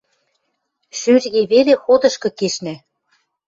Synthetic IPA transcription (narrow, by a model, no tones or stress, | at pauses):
ʃyrɣeβelexod̪ɤ̆ʃkɤ̆keʃnæ